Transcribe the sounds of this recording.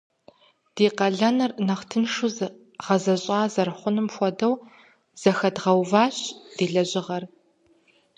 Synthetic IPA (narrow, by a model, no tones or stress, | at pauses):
d̥eːqɐɮɐnɨrnɐχtʰɨnʂuz | ʁɐzɐɕʼaːzɐrχʷʊnɨmxʷɔdɐw | z̥ɐxɐdʁɐwvaːɕd̥eːɮɐʑʼɪʁɐr